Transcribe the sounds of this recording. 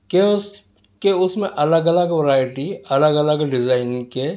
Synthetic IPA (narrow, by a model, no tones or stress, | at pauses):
kes | keʊsmẽʔɐləɡɐləɡʋɐɾaːɪʈiɐləɡələɡɖɪzaːɪnke